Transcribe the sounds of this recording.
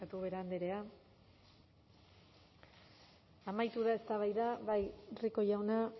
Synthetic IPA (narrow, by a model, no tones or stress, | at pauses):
at̪uβe̞ɾaand̪eɾe̞a | amajt̪uðae̞st̪aβajðaβajriko̞ʝawna